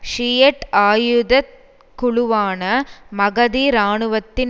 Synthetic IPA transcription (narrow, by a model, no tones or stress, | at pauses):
ʂijɐʈaːjʊðɐt̪̚ | kʊɭʊʋaːnɐmɐɣɐðiːɾaːɳɯʋɐt̪ːɪn